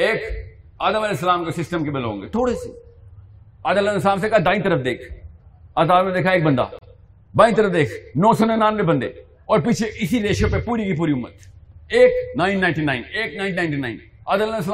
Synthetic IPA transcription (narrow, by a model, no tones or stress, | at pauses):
eːkaːd̪əmɐlɛːs̬əlaːmkesɪsʈəmkebɪlõ̰ːŋɡet̪ʰoːɽesḛ | aːd̪ələnslaːms̬ekad̪ãːĩt̪əɾəfd̪eːkʰat̪aːd̪mned̪eːkʰaeːk̚bɐ̃nd̪a̰ː | bãːĩt̪əɾəfd̪eːkʰnɔːsonenaːnbebɐ̃nd̪ḛː | ɔːɾpiːt͡ʃʰeʔɪsiɾeːʃəpepuːɾikipuːɾiʊmːət̪eːknãːɪ̃nːãːɪ̃nʈinãːɪneːk̚nãɪnnãːɪnʈina̰ːɪ̃n | aːd̪əlles̬əlː